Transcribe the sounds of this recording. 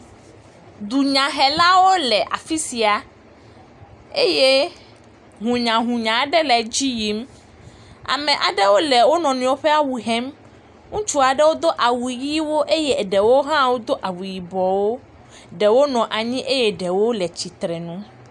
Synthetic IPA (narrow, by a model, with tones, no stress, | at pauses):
d̪u˨ɲã˨ɦɛ˨la˦wo˦lɛ˨ʔa˨fi˦si˨a˨ | e˦je˦ | ɦũ˨ɲã˨ɦũ˨ɲã˨˦ɖɛ˦lɛ˨d͡ʑi˦ji˨m | a̰˨mɛ̃˨ʔa˨ɖɛ˦wo˦lɛ˨wo˦nɔ̃˨nũ˨wo˦ɸe˦a˦wu˨ɦɛ˦m | ŋũ˦t͡ʃu˦a˨ɖɛ˦wo˦d̪o˦ʔa˨wu˨ji˦wo˦ʔe˦je˦˨ɖɛ˨wo˦ɦã˦wo˦d̪o˦ʔa˨wu˨ji˨bɔ˨wo˦ | ɖɛ˨wo˦nɔ̃˨ʔa˨ɲĩ˦ʔe˦je˦ɖɛ˨wo˦lɛ˨t͡ɕi˨t̪ɾɛ˨nũ˦